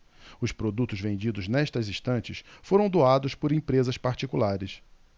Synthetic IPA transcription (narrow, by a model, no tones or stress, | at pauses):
ʊspɾod̪ut̪ʊzvẽnd͡ʒid̪ʊznɛʃt̪ɐziʃt̪ɐ̃nt͡ʃɪsfoɾɐ̃w̃d̪oad̪ʊspʊɾẽpɾezɐspaɾt͡ʃikulaɾɪs